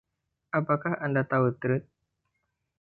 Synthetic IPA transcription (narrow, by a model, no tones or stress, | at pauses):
ʔapakahandat̪aut̪ɾʊt̪̚